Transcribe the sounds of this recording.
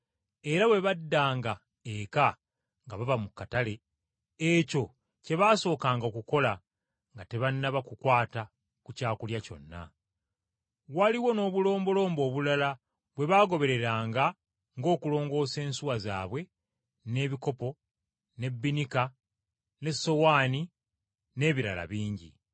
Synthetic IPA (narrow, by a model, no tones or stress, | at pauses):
e̞ɾaβwe̞βadːaːŋɡa | eka | ŋɡaβaβamukːatale̞ | eco̞ | ce̞βaːso̞ːkaːŋɡaokuko̞la | ŋɡate̞βanːaβakukwaːta | kucaːkuljaco̞̰nːa̰ | waliwo̞no̞ːβulo̞ːmbo̞lo̞ːmbo̞ːβulala | βwe̞βaːɡo̞βe̞ɾe̞ɾaːŋɡa | ŋɡo̞ːkulo̞ːŋɡo̞ːse̞ːnsuwaza̰ːβwe̞ | ne̞βiko̞po̞ | ne̞bːinika | ne̞sːo̞waːni | ne̞ːβiɾala̰βiːɲɟḭ